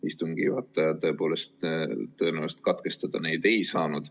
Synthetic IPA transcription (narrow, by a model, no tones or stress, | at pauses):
ist̪uŋɡ̥ijuɑt̪ːˑɑjɑt̪ɤ̞epo̞ːle̞stt̪t̪ːɤ̞enæwst̪̚kɑt̪ke̞st̪ɑd̪̥ɑne̞jd̪e̞jsɑːnud̪̥